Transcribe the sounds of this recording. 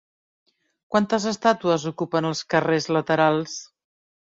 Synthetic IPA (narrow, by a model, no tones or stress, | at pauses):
kwant̪əzəst̪at̪uəzukupənəlˠskərezlət̪əɾalˠs